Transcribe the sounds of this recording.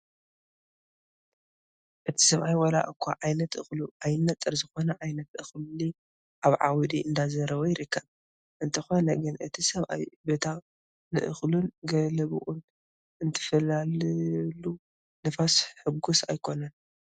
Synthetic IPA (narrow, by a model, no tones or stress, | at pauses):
ʔɨt̪ʰi̥sɐβʔajwɐla̰ʔkʷʰːaʕajnɐt̪ʔɨxluʔajɪnːɐt̪ʼːɨɾzɨxo̞nɐʕajnɐt̪ʔɨxlli | ʔaβʕawd̪iʔɨnd̪azɐɾɐwojɪɾɨkʰːɐβ | ʔɨnt̪ʰɐxo̞nɐɡɨnʔɨt̪ʰisɐβʔa̰jbet̪ʰa | nɨ̰ʔɨ̰xlunɡɐlɐβʔun | ɨnt̪ʰɐ̥fɐlallu | nɨfasħɨɡusa̰jkʰo̞nɐn